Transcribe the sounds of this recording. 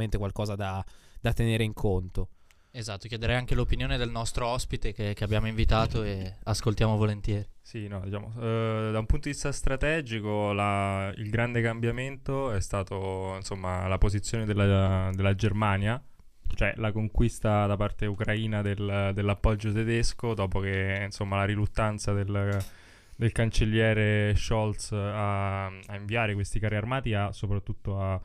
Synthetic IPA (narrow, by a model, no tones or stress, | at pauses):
ment̪ekwalkɔːzad̪ad̪at̪ːeneːɾeiŋkʰont̪o | ezat̪ːokjɛd̪eɾɛjaŋk̟elopinjoːned̪elnɔst̪ɾoɔspit̪ek̟ekeabːjaːmoiɱvit̪aːt̪oeaskolt̪jaːmovolent̪jɛːɾisinɔd̪it͡ʃaːmo̰d̪aumpunt̪od̪ivist̪ast̪ɾat̪ɛːd͡ʒikolaḭlɡɾand̪ekambjament̪oɛst̪aːt̪oinsomːalapozit̪sːjoːned̪elːad̪elːad͡ʒermaːnja | t͡ʃoɛlakoŋkwist̪ad̪apart̪eukɾaiːnad̪eld̪elːapːɔd͡ʒːot̪ed̪eskod̪ɔːpok̟einsomːalaɾilut̪ːant̪sad̪el | d̪elkant͡ʃelːjɛːɾeʃɔlt̪saaiɱviaːɾekwest̪ikaɾiarmaːt̪iasːopɾat̪ːut̪ːoa